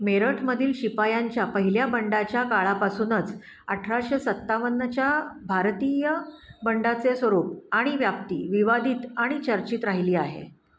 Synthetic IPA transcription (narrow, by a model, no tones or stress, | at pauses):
meɾəʈʰməd̪ʱiːlɕipajaɲt͡ɕjapəɦiljabəɳɖat͡ɕjakaɭapasuːnət͡s | əʈʰɾaɕesət̪ːaʋənːət͡ɕjabʱaɾt̪iːjəbəɳɖat͡sesʋəɾuːp̚aɽ̃iʋjap̚t̪ḭːʋiʋad̪ʱiːt̪aɽ̃it͡ɕəɾt͡ɕiːt̪ɾaɦiliːaɦḛ